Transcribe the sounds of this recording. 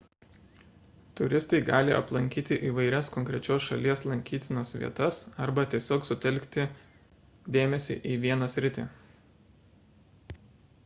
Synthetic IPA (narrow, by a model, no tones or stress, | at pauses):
t̪ʊɾʲɪst̪ɐɪɡɑːlʲɪʔɐ̰plˠɐŋʲkʲiːt̪ʲɪʔiːʋɐɪɾʲɛskɔŋʲkɾʲɛt͡ʃʲoːsʃɐlʲiɛslˠɐŋʲkʲiːt̪ʲɪnɐsʋʲḭɛt̪ɐsɐɾbɐt̪ʲiɛsʲoːksʊt̪ʲɛlʲkt̪ʲɪ | d̪ʲeːmʲɛsʲḭʔiːʋʲiɛnɐsʲɾʲɪt̪ʲḛː